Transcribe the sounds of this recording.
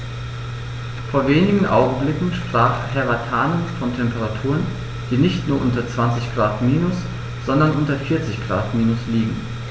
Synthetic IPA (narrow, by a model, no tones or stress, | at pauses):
foːɐveːnɪɡŋ̩ʔa̰ʊɡŋ̩blɪkŋ̩ʃpʁ̥aːχhɛʁatʰaːnənfɔntʰɛmpəʁatʰuːʁən | d̥iːnɪçtnuːɐʔʊntɐt͡sv̥ant͡sɪçɡ̥ʁaːtmiːnʊs | z̥ɔndɐnʔʊntɐfɪɐt͡sɪçɡ̥ʁa̰ːtmiːnʊsliːɡŋ̩